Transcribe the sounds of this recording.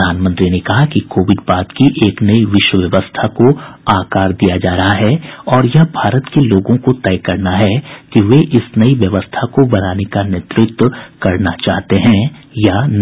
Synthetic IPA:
aːnmə̃nt̪ɾinekɐɦakikoːʋɪɖbaːt̪kiʔeːknɐiʋɪʃwəʋjɐʋəst̪ʰakoaːkaːɾd̪ijad͡ʒaːɾɐɦaɦɛːɔːɾjɐbʱaːɾət̪keloːɡõkot̪ɛːkɐɾnaɦɛkiʋeʔɪsnɐiʋjɐʋəst̪ʰakobɐnaːnekanet̪ɾʊk̚t̪wəkɐɾnat͡ʃaːɦt̪eɦɛ̃ːjan

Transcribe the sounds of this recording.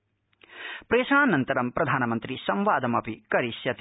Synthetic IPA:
pɾeːʃaːnɐnt̪ɐɾɐmpɾɐd̪ʱaːnɐmɐnt̪ɾisɐ̃mʋaːd̪ɐmɐpikɐɾisjɐt̪

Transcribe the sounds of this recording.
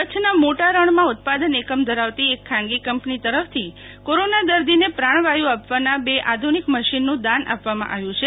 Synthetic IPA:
kət͡ʃʰnamoʈaɾəɳmãʊt̪̚pad̪ənekəmd̪ʱəɾaʋt̪iekʰːãŋɡikəmpnit̪əɾəft̪ʰi | koɾonad̪əɾd̪ʱinepɾaɽ̃ʋajũapʋanabeʔad̪ʱunikməʃinːũd̪anʔa̰pʋamã̰ʔa̰ʋjũt͡ʃʰe

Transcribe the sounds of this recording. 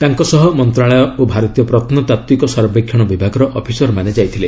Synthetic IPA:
t̪aŋkɔsɔɦɔmɔnt̪ɾaɭɔjɔobʱaɾɔt̪ijɔpɾɔt̪ʰɔnɔt̪at̪wikɔsɔɾbekʰːjɔɽ̃ɔbibʱaɡɔɾɔʔɔpʰisɔɾmaned͡ʒajt̪ʰile

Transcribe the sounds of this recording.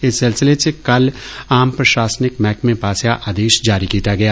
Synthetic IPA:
ɪsːɪlsɪlesekɐlaːmpɾɐʃaːsnɪkmɛːkmẽpaːsjaʔaːd̪eːʃd͡ʒaːɾikiːt̪aɡɐjaː

